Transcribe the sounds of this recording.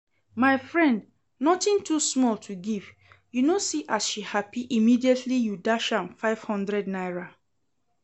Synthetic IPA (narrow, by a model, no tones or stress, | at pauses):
maɪfɹɛ̃nd | nɔtɪ̃ntʰusmɔltʰuɡiv | junosiʔasʃihapiʔimidiɛtʰlijudaʃãmfaɪv̥hɔ̃ndɹɛdnaɪɹa